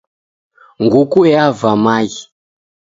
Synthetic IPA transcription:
ŋɡukuɛavamaji

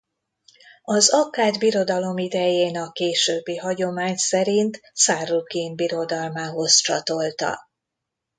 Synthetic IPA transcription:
ɒzɒkaːd̪biɾo̞d̪ɒlo̞mid̪ɛjeːnɒkeːʃøːbːiɦɒɟo̞maːɲsɛɾint̪saːrukinbiɾo̞d̪ɒlmaːɦo̞st͡ʃɒ̰t̪o̞lt̪ɒ̰

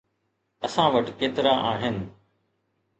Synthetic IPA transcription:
ɐsãːʋəʈkeːt̪ɪɾaːʔaːɦɪnɪ̆

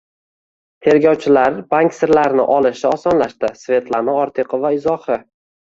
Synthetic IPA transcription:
t̪ʰe̞ɾɡʲɒwt͡ʃʰɪlaɾbaŋkʲsɪɾlaɾnɪʔɒlˠɪʃɪɒsɒnlaʃt̪ɪsve̞t̪lanɪɒɾt̪ʰɪqɨvaɪzɒhɪ

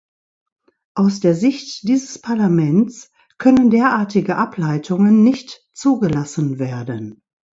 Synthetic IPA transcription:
ʔaʊsd̥eːɐzɪçtd̥iːzəspʰaɐlamɛnt͡s | kʰœnəndeːɐʔaːɐtɪɡəʔaplaɪtʰʊŋənːɪçt | t͡suːɡəlasn̩veːɐdən

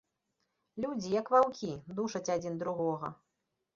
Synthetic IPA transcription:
lʲud͡zʲijɐkvawkʲid̪uʂɐt͡sʲad͡zʲind̪ɾuɣɔɣɐ̰

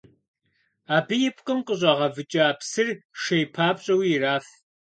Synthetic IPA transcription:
aːbɨjɪpʰqʼɨmqʼəʑʷʼɐʁɐvɨt͡ʃʼɐaːpʰsɨrʃejpʰaːpɕʼɐwiɪraːf

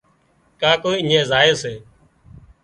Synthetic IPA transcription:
kaːkoːiɪːẽːzaːeːseː

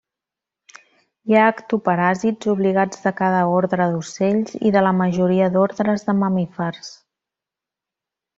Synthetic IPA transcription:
jaːkt̪upəɾazid͡zuβliɣad͡zðəkað̞əoɾðɾəðuseʎzḭðələməʒuɾiəd̪oɾðɾəzðəməmifɛrs

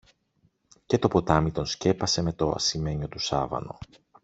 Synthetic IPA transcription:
ce̞t̪o̞po̞t̪ɐmit̪o̞nsce̞pɐse̞me̞t̪o̞ɐ̰sime̞ɲo̞t̪usɐvɐ̰no̞̰

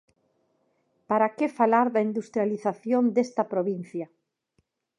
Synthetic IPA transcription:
paɾakefalaɾðaind̪ust̪ɾjaliθaθjond̪est̪ɐpɾoβin̟θja

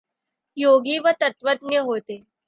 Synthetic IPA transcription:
joɡiːʋət̪ət̪ʋəd̪njəɦot̪e

